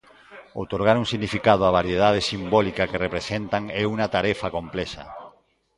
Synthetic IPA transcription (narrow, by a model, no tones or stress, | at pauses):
o̰wt̪oɾɣaɾuŋsiɣnifikað̞ʊaβaɾjeðað̞esimbɔlikakerepɾesent̪aŋɛuŋat̪aɾɛfakomplɛsɐ̰